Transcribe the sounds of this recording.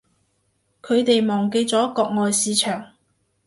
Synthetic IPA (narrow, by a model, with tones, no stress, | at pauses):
kʰɵ˨˧ɥt̪e˨jmɔː˨˩ŋk̬e˧jt͡sɔː˨˥kɔː˧k̚ŋɔː˨jsiː˨˧˥t͡ʃʰœː˨˩ŋ